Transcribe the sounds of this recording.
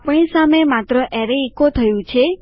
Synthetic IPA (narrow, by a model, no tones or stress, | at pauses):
pɳisamemat̪ɾəʔɛɾeikot̪ʰəjũt͡ʃʰe